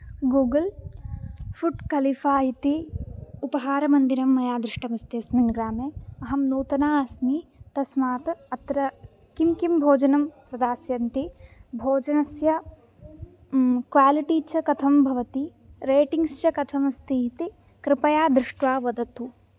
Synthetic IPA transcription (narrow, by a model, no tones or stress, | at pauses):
ɡuːɡɐl | fuʈkɐlifaːɦit̪iupɐɦaːɾɐmɐnd̪iɾɐmːɐjaːd̪ɾɪʂʈɐmɐst̪eɐsminɡɾaːmeɐɦɐmnoːt̪ɐnaːɐsmit̪ɐsmaːt̪ɐt̪ɾɐ | kimkimbʱoːd͡ʒɐnɐmpɾɐd̪aːsjɐnt̪ibʱoːd͡ʒɐnɐsjɐ | kʋaːliʈiːt͡ʃʰɐkɐt̪ʰɐmbʱɐʋɐt̪i | ɾeːʈiŋɡst͡ʃɐkɐt̪ʰɐmɐst̪iɦit̪i | kɾɪpɐjaːd̪ɾɪʂʈʋaːʋɐd̪ɐt̪u